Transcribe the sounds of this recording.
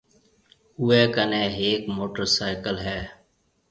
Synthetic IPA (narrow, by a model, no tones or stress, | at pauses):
ʊeːkəneːɦeːkmoːʈəɾsaːɪkəlɦɛː